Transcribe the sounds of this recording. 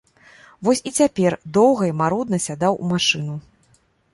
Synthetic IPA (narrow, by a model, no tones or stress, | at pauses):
vɔsʲit͡sʲapʲɛrd̪ɔwɣɐimaɾud̪nɐsʲad̪awṵmaʂɨnu